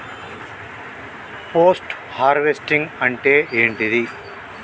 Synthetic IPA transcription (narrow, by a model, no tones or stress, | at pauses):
poːsʈ | haːɾʋesʈiŋɡɐɳʈeːʔeːɳʈid̪i